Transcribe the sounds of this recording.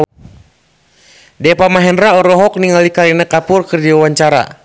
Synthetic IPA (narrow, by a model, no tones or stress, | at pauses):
dɛpamaɦɛnraɔɾɔɦɔk̚niŋalikaɾinakapʊrkɨrdiwawaɲt͡ʃaɾa̰